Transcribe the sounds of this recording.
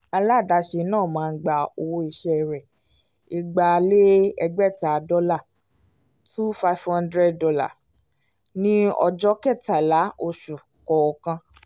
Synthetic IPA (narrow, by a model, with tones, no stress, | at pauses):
a˧la˦˨da˨˧ʃe˧˦nãː˦˨mãː˨˦˧ɡ͡ba˨o˧wo˦i˧ʃɛ˦˧˨ɾɛ˨ | i˧ɡ͡ba˧le˦ɛ˧ɡ͡bɛ˦˨ta˨˦dɔ˦la˦˨ | tu˦fa˧fhã˦ndɾɛ˦˨ddɔ˧la̰˦˨ | nĩ˦ɔ̰˧d͡ʒɔ˦kɛ˦˨ta˨la˨˦ʔo˧ʃu˨ | kɔ˨ɔ˧˨kã˧